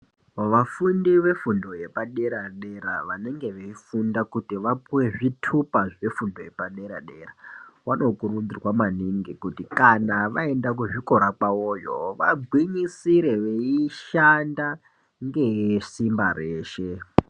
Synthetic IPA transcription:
ʋafundiʋe̞fundo̞je̞paɗe̞ɾaɗe̞ɾa̰ʋane̞ŋɡe̞ʋeifundakutiʋapuwe̞ʐitʰupaʐe̞fundo̞je̞paɗe̞ɾa̰ɗe̞̰ra̰wano̞kurud͡zirwamaniŋɡikutikanaʋae̞ndak̬uʐiko̞ɾakawoːjo̞̰ʋa̰ɡʱwiɲisiɾe̞ʋeiʃanda | ŋɡe̞jesimbareːʃe

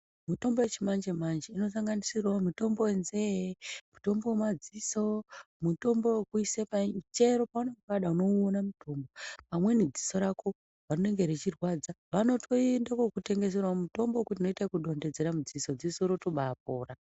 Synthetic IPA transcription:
muto̞mbowet͡ʃimand͡ʒemand͡ʒeino̞saŋɡanisirwamuto̞mbowenzeemuto̞mbowemad͡ziso̞ | muto̞mbo̞wekuisepat͡ʃe̞ɾo̞paunekokaɗauno̞onamuto̞mbo̞pamwe̞nid͡zi̥so̞ɾako̞ | ʋanone̞ŋɡeɾet͡ʃirwad͡zaʋano̞tʰo̞endakokute̞ŋɡe̞s̬erwamuto̞mbokutino̞itakuɗo̞nded͡ze̞ɾamud͡ziso̞d͡zisoɾo̞to̞ɓaːp̚o̞ːra

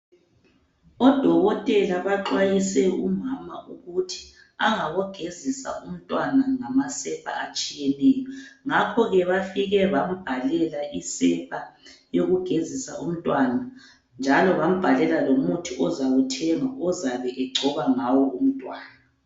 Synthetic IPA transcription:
ɔd̥ʱɔɣɔtʼɛlaβaǃwajisɛumama̰ʔuɣutʰi̥ | aŋaɣɔɡ̥ʱezisa̰um̩tʼwanaŋamasɛpʰʼa̰at͡ʃʼijɛnɛːjɔŋakʰɔɣɛβafiɣɛβam̩b̥ʱalɛlaʔisɛpʰʼajoɣuɡ̥ʱezisa̰ʔum̩tʼwana | nd͡ʒʱalɔβam̩b̥ʱalɛlalomutʰiʔɔzaɣutʰɛŋaɔzaβɛʔɛɡ͡ǀʱɔβaŋawɔum̩tʼwaːna

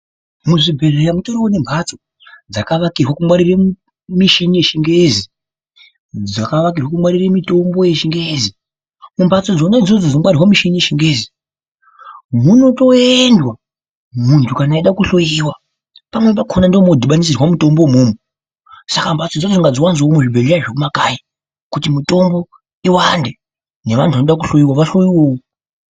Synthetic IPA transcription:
muʐibʱe̞rejamutoɾiwone̞mbʱat͡so | d͡zakaʋakirwakumwaɾire | miʃinijeʃiŋɡezi | d͡zakaʋak̬irwakumwaɾiremito̞mbo̞jeʃiŋɡeezi | mumbʱat͡so̞d͡zonaid͡zod͡zod͡zinomwarirwamiʃinije̞ʃiŋɡe̞ːzi | muno̞to̞endwa | muntʰukanaiɗakuɬojiwa | pamwe̞pakʰonandomodʱiɓanis̬irwamuto̞mbomumu | sakambat͡sod͡zod͡zoŋɡad͡zowanzomweʐibʱeleɾaʐekumakaji | kutimito̞mbo̞ | iwande | ne̞ʋantʰuʋanoɗak̬uɬojiwaʋaɬojiwoːo

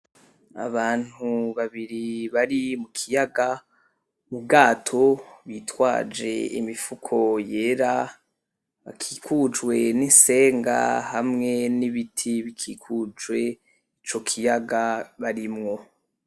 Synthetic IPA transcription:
a̰βaːn̥huβaβiɾiβaɾimukʰijaɡa | ub̚ɡaːtʰo̞βitwa̰ːd͡ʒe̞̰ḭmifukʰo̞je̞ːɾa | βa̰kʰiːkʰud͡ʒwe̞ninse̞ːŋɡa̰hamŋe̞niβitʰiβikʰiːkʰud͡ʒwe̞ | it͡ʃo̞kʰijaɡaβaɾimŋo̞

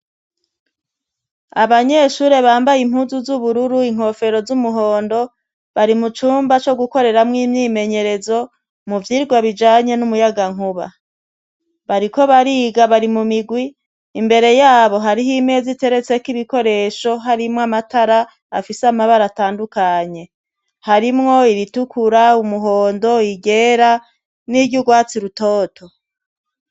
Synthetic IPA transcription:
aβaɲe̞ʃuːɾe̞βaːmbajim̥huːzuzuβuɾuɾuiŋ̥ho̞fe̞ɾo̞zumuɦo̞ːndo̞ | βaɾimut͡ʃuːmbat͡ʃo̞ɡuko̞ɾe̞ɾamŋiːmɲiːme̞ɲe̞ɾe̞zo̞ | muvjiːɾɡwaβid͡ʒaːɲe̞numujaɡaŋ̥uβa̰ | βaɾiko̞βaɾiɡaβaɾimumiɡwiː | mbe̞ɾe̞jaːβo̞ɦaɾihimezite̞ɾe̞t͡se̞kiβiko̞ɾe̞ːʃo̞ɦaɾimŋoamataɾaː | fisamaβaɾataːndukaɲe̞ | haɾimŋo̞iɾitukuɾaumuɦoːndo̞iɡe̞ːɾa | niɟuɡwaːt͡siɾuto̞ːtʰo̞

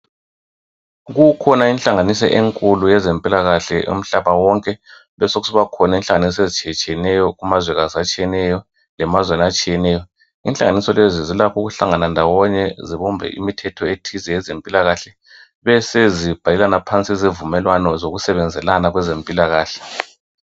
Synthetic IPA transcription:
ɣukʰɔnainɬaŋanisɔ̰ʔeŋkʼulujɛzempʼilaɣaɬɛṵm̩ɬaβawɔŋkʼɛ | βɛsoɣusiβakʰɔnainɬaŋanisɔezit͡ʃʼiɛt͡ʃʼijɛnɛjɔɣumazwɛɣaziat͡ʃʼijɛnɛjɔ | lɛmazwenat͡ʃʼijɛnɛjɔ | inɬaŋanisɔlezizilakʰuɣuɬaŋanandʱawɔɲɛziβɔmbʱɛ̰ʔḭmitʰɛtʰɔetʰizɛjɛzempʼilaɣaɬɛ | βɛsezib̥ʱalɛlanapʰant͡sʼizivumɛlwanɔzoɣusɛβɛnd͡zʱɛlanaɣwɛzempʼilaɣaːɬɛ̥

